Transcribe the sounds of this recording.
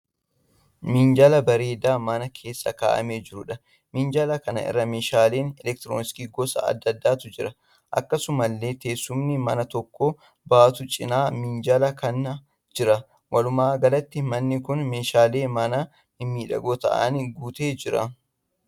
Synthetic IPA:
mɪnd͡ʒɐlɐbɐɾeːd̪aːmɐnɐkʰe̞ːsːɐka̰ːʔɐ̰me̞ːd͡ʒɪɾʊᶑɐ | mɪnd͡ʒɐlɐkɐnɐ̰ʔɪ̰rːɐmeːʃaːleːnɛlɛk̚t̪ɪɾoːnɪskiːɡɔsɐ̰ɐ̰d̪ːɐd̪ːaːt̪ʊd͡ʒɪɾɐ | ʔɐ̰kːɐsʊmɐlːe̞ːt̪e̞ːsːʊmnɪmɐnɐt̪ɔkːoː | baːt̪ʊt͡ʃʼɪnaːmɪnd͡ʒɐlɐkɐnɐ | d͡ʒɪɾɐ | wʔɐlʊmaːɡɐlɐt̪ːɪmɐnːɪkʊnmeːʃaːleːmɐnɐ | ɪmːiːᶑɐ̰ɡoːt̪ɐ̰ʔɐ̰nɡuːt̪eːd͡ʒɪɾɐ̰

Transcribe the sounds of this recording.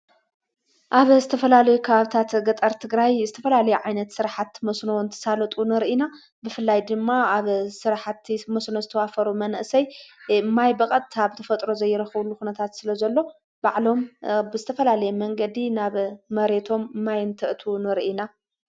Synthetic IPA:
ʔaβzɨt̪ʰɐfɐlalɐjukʰɐβaβt̪ʰat̪ɡɐt̪ʼɐɾt̪ʰɨɡɾajzɨt̪ʰɐfɐlalɐjuʕajnɐt̪sɨɾħat̪mɐsnoɨnt̪ʰɐ̥salɐt̪ʼunɨɾʔina | bɨfɨlːajd̪ɨmːaaβsɨɾħat̪mɐsnozɨt̪ʰɐwafɐɾumɐnʔsɐjɨmːajbɐkʼɐt̪ʼːʰaβt̪ʰɐfɐt̪ʼɾo̞zɐjːɪɾɐxβulːuxunɐt̪ʰat̪sɨlɐzɐlːo̞ | b̥aʕlo̞mbɨzɨt̪ʰɐfɐlalɐjɛmɐŋɡɐd̪inaβːɐɾe̞t̪ʰo̞mɨmːajɨnt̪ʰɨʔt̪ʰunɨɾʔina

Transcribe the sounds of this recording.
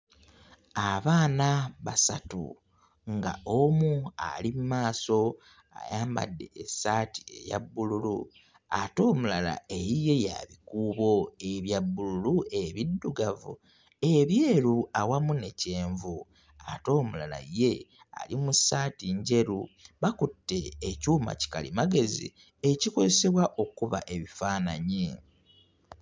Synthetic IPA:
aβaːnaβasatṵ | ŋɡa̰omua̰limumaːso̞ | a̰jaːmba̰dːe̞ʔesati̥eja̰bːululu | ato̞ːmulala̰e̞jije̞ja̰βikuːβo̞e̞βjabːululuʔeβidːuɡavṵ | e̞βje̞ːɾuawamune̞ce̞ːɱvu | a̰to̞ːmulala̰je̞ | a̰limusaːtiɲɟe̞ɾuβakutːe̞ːcuːma̰ci̥kalḭmaɡe̞zḭ | eciko̞ze̞se̞βwaʔo̞kuβa̰ʔe̞βifaːnaɲi

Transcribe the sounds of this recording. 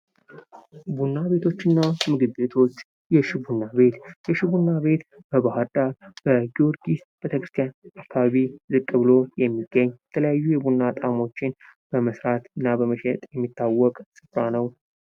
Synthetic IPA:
bunːaβe̞t̪ʰo̞t͡ʃːɪnːamɨɡɨbe̞t̪ʰo̞t͡ʃː | jɛʃɪbunːabe̞t̪jɛʃɪβunːaβe̞t̪ | b̥əβahəɾd̪aɾb̥əɡio̞ɾɡisb̥e̞t̪ʰəkɾɨst̪ʰijanakʰːaβaβizɨkʼːɨβɨlo̞jɛmːiɡːəɲːjɛt̪ʰələjajːujɛbunːat̪ʼamo̞t͡ʃːɪnb̥əməsɾat̪ɨnːabəməʃɛt̪ʼjɛmːit̪ːawːɔkʼsɨfɾanəw

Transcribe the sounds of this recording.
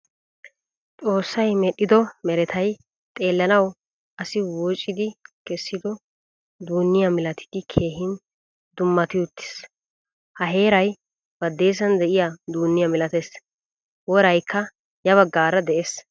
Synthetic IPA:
t̪ʼo̞ːsːɐjmɛɗːɪd̪ɔmɛɾɛt̪ʰɐj | t̪ʼe̞ːlːɐnɐw | ʔɐsɪwɔt͡ʃʼːɪd̪ɪkɛsːɪd̪ɔ | d̪uːnːɪjɐmɪlɐt̪ʰɪ̥d̪ɪkʰe̞ːɦɪn | d̪ʊmːɐt̪ɪjʊt̪ʰːɪ̥s | hɐɦe̞ːɾɐj | b̥ɐd̪ːe̞ːs̬ɐnd̪ɛʔɪjad̪uːnːɪjɐmɪlɐt̪es | wɔɾɐjkʰːɐ | jɐβɐɡːaːɾɐd̪ɛʔes

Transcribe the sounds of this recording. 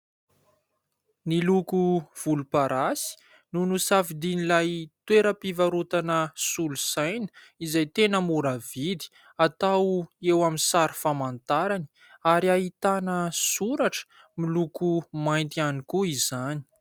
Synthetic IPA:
nilukuv̥ulupaɾʔasi̥ | nunusafid̪inilajt̪weɾəpivaɾut̪anəsulusajnə̥ | izajt̪enəmuɾavid̪i̥ | at̪awewaminsaɾifamant̪aɾani̥ | aɾiaɦit̪anəsuɾaʈ͡ʂə̥ | milukumajnt̪ianikuizani̥

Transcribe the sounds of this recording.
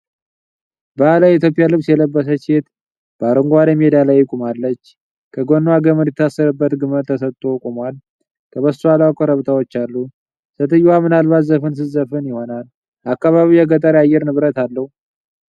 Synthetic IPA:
bəalajit̪̬ʰjopʼɪjalɨβsjɛləbːəs̬ət͡ʃet̪ | b̥əaɾoŋɡwad̪əmed̪alajːɪkʼumalːət͡ʃː | kʰəɡonːoaɡəmədjtɛt̪ʰasːəɾɨbːət̪ɡɨməɾt̪ʰəsət̪ʼːokʼumwal | kʰəβəsualakʼoɾəβt̪ʰawo̞t͡ʃːalːu | sət̪ʰɨjwamɨnalβat̪zəfɨns̬ɨzəfɨnjɪho̞nal | ʔakːaβaβiwjɛɡət̪ʼəɾajːɛɾnɨβɾət̪alːəhu

